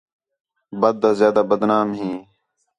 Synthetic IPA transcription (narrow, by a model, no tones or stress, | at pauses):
bəd̪̚ːaːzjaːd̪aːbəd̪naːmɦĩː